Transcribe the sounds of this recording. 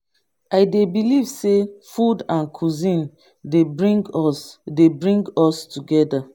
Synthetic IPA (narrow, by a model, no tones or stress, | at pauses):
aɪdebilivsefudãnkʰuzĩn | debɹĩŋɡɔsdebɹĩŋɡɔstuɡɛda